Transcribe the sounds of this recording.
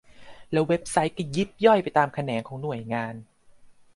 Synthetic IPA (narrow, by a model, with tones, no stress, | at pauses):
lɛː˦˥we˦˥p̚sa˦˥jka˧˩ji˦˥p̚jɔ˥˩jpa˨˩jt̪aː˧mkʰa˧nɛː˩˦ŋkʰɔː˩˦ŋnu˨˩əjŋaː˧n